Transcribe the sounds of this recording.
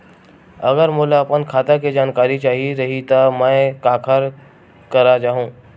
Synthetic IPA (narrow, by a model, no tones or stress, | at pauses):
ɐɣəɾmʊlaɐpənkʰaːt̪aked͡ʒaːnkaːɾit͡ʃaːɦiɾɐɦit̪ɐmə̃kaːkʰəɾ | kɐɾad͡ʒaːɦũː